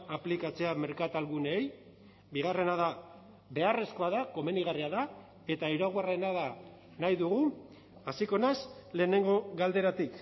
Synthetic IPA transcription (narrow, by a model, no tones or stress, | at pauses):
aplikat͡se̞ame̞ɾkat̪alɣuneːj | biɣ̞are̞naða | be̞are̞sko̞aðako̞me̞niɣariaða | e̞t̪aiɾaɣwarenaða | najðuɣu | asiko̞nesle̞ːne̞ŋɡo̞ɣald̪e̞ɾat̪ik